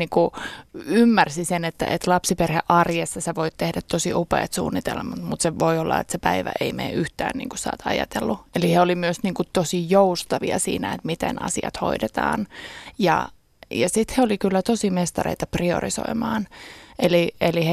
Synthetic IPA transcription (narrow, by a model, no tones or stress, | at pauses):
niːŋku | ymːærsisenet̪ːæ̰ʔet̪lɑpsiperheʔɑrjesːɑseʋoit̪t̪ehdæt̪t̪ːosiʔupḛːt̪sṵːnːit̪elmɑt̪mut̪seʋoiolːɑ̰et̪sepæiʋæ̰ʔeimḛːyht̪æ̰ːnnḭːŋkusɑ̰ːt̪ʰɑ̰jɑ̰t̪elːueliheolimyøsniːŋkut̪osijoust̪ɑʋiɑ̰sḭːnæet̪mit̪ḛnɑ̰siɑ̰t̪ho̰idet̪ɑ̰ːnjɑ̰ | jɑsit̪heolikylːæt̪osimest̪ɑrḛit̪ɑprio̰riso̰imɑːnelielihe